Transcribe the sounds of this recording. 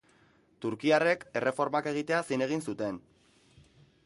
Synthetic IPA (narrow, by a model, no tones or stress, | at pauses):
t̪uɾkiare̞ke̞rʔe̞fo̞ɾmake̞ɣ̞it̪e̞asine̞ɣ̞insut̪e̞n